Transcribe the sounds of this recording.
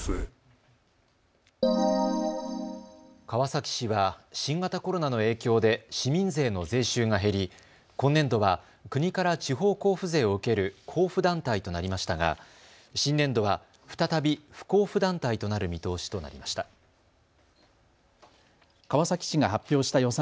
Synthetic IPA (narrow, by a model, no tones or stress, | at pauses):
kaβasakʲi̥ɕiβaɕĩŋɡat̪ako̞ɾo̞nano̞e̞ːkʲo̞ːd̪e̞ɕimʲĩnze̞ːno̞ze̞ːɕɨːŋaɦe̞ɾʲi | konːẽ̞nd̪o̞βa | kɯ̟ɲ̟ikaɾat͡ɕiɦo̞ːko̞ːɸɯ̟ze̞ːo̞ɯ̟ke̞ɾɯ̟kʰo̞ːɸɯ̟d̪ãnt̪ait̪o̞naɾʲimaɕi̥t̪aɡa̰ | ɕĩnːẽ̞nd̪o̞βa | ɸɯ̥t̪at̪abʲiɸɯ̟̥ko̞ːɸɯ̟d̪ãnt̪ait̪o̞naɾɯ̟mʲit̪o̞ːɕi̥t̪o̞na̰ɾʲḭmaɕi̥t̪a | kaβasakʲi̥ɕiŋaɦapʲjo̞ːɕi̥t̪ajo̞sã